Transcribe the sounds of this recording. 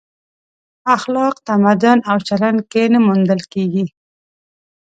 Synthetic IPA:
axlɑqt̪amad̪ʊnawt͡ʃaland̪̚kenamund̪əlkeɡi

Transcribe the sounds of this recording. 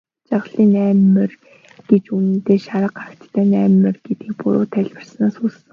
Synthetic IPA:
t͡ɕaʁɮiːnæːmɘ̆r | ɡ̥et͡ɕun̆nt̪eːʃaɾə̆qɢaɾə̆kt̪t̪ʰːæːnæːmːɘ̆rɡ̥et̪iːk̚puɾʊ̰ːt̪ʰæɮʲwə̆rsnaːsuːss̆

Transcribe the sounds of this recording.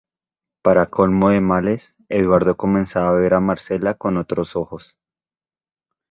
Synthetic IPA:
paɾakʰolmoðe̞males | eðwaɾd̪o̞ko̞mẽ̞nsaβaβe̞ɾamaɾse̞lako̞no̞t̪ɾo̞so̞xo̞s

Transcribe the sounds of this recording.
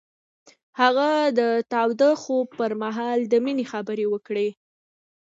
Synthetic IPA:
haɣad̪ət̪ɑwd̪əxob̚pəɾmaɦɑld̪əminexabəɾewəkɽe

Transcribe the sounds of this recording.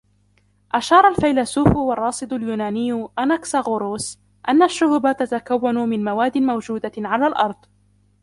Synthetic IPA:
ʔaʃɑːɾˤɑlfajlasuːfwɑrˤːɑːsˤɨd̪ʊljuːnaːnɪjːʊʔanaksaɣʊɾoːs | ʔanːaʃːʊhbat̪at̪akawːanʊmɪnmawaːd̪ːɪnmawd͡ʒuːd̪aʕalaːlʔɑɾˤd̪ˤ

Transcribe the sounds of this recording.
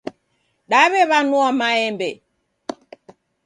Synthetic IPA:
ɗaβɛβanuɔmaɛmbɛ

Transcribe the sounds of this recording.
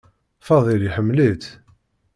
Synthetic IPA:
fɑðˤiljiħəmːlit̪

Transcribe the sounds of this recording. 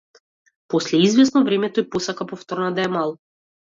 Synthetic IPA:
pɔslɛizvʲɛsnɔvɾɛmɛt̪ɔipɔsakapɔft̪ɔɾnad̪aɛmalˠɔ

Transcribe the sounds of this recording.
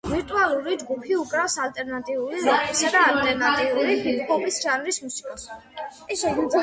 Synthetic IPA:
viɾt̪ʼualˠuɾid͡ʒɡupʰiukʼɾafsalt̪ʼɛɾnat̪ʼiuɾiɾɔkʰʼisad̪aːlt̪ʼɛɾnat̪ʼiuɾipʰit̪kʰɔbisʒanɾismusi̥kʼɔs

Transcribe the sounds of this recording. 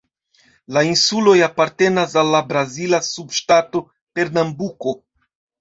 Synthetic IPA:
lainsulo̞japaɾte̞nasalːabɾazilasubʃtato̞ | pe̞ɾnambuko̞

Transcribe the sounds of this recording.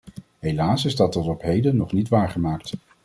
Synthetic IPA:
ɦejlaːsɪzdɑt̚dɑtɔpɦejdənːɔχnitʋaːɹχəmaːkt

